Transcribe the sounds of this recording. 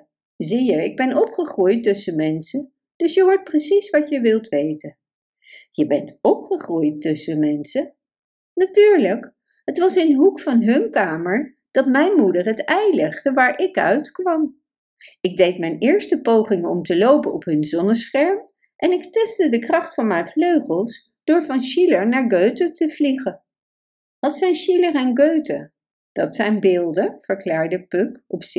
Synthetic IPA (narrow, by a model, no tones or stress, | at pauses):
zijəɪɡ̚bɛnɔpχəχrujtːɵsəmɛnsən | d̥ɵsjəɦʊːɹt̚prəsisʋɑcjəʋɪlˠtʋejtən | jəbɛntɔpχəχrujtɵsəmɛnsə | natyːɹlək | ɦətʋɑsɪnɦukfɑnɦɵnkaːməɹ | d̥ɑtmɛjnmudərɦətɛjlɛχdəʋaːɹʔɪkœ̰ɥtkʋɑm | ɪɡ̚dejtmɛjnɪːɹstəpowχɪŋəɔmtəlowpənɔpɦɵnzɔnəsχɛɹm | ʔɛnɪktɛstədəkrɑχtfɑnmɛjfløɥχəlˠs | d̥ʊːɹvɑnʃiləɹnaːɹɡøɥtətəv̥liχən | ʋɑtsɛjnʃiləɹɛnɡøɥtə | d̥ɑtsɛjnbɪːlˠdəvəɹklaːɹdəpøkʔɔpsɪ